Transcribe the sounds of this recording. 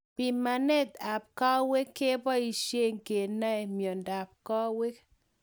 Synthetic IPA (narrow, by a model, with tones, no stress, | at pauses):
pi˨ma˨nɛ˦t̪a˨p̚kɔ˦we˦kːe˦pɔ˦i˨ʃje˦ŋke˨na˦e˨mjɔ˨nda˨p̚kɔ˦we˦k